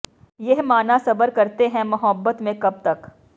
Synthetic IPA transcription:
jeɦmaːnasɐbəɾkɐɾt̪eɦɛ̃mɐɦəbːət̪mẽkɐb̚t̪ɐk

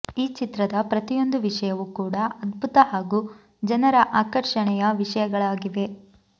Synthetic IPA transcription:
iːt͡ʃit̪ɾɐd̪ɐpɾɐt̪ijo̞nd̪uʋiʂɐjɐʋukuːɽɐɐd̪bʱut̪ɐɦaːɡuː | d͡ʒɐnɐɾɐʔaːkɐɾʂɐɳɛjɐʋiʂɐjɐɡɐɭaːɡiʋe̞

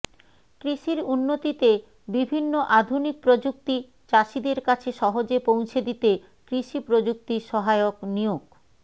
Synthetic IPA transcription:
kɾiʃiɾunːot̪it̪e | bibʱinːoʔad̪ʱunik̚pɾod͡ʑuk̚t̪i | t͡ɕaʃid̪eɾkat͡ɕʰeʃɔɦod͡ʑepow̃t͡ɕʰed̪it̪e | kɾiʃipɾod͡ʑuk̚t̪iʃɔɦaeoknijoɡ

